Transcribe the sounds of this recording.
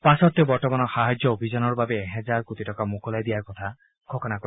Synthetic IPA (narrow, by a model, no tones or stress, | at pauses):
pasɔt̪ebɔɹtɔmanɔxaɦad͡ʒjɔobʱizɔnɔɹbabɛːɦɛzaɹkut̪itɔkamokɔlajd̪ijaɹkɔt̪ʰa | ɡʰʱɔkɔnakɔ